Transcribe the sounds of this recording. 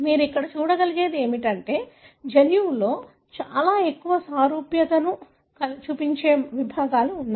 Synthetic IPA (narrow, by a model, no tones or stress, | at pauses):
miːɾuikːɐɽɐt͡ʃuːɽɐɡɐliɡe̞ːd̪e̞ːmiʈɐɳʈe̞ː | d͡ʒɐljuːlo̞ː | t͡ʃaːlaːe̞kːuʋɐsaːɾuːpjɐt̪ɐnu | kɐt͡ʃuːpiɲt͡ʃeːʋibʱaːɡaːluːnːaː